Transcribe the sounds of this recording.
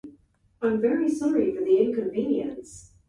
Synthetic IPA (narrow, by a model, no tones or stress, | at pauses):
ãɪ̃ɱvɛɹisɑɹifə˞ðiɪ̃nkɨ̃ɱvĩnjɨ̰̃ns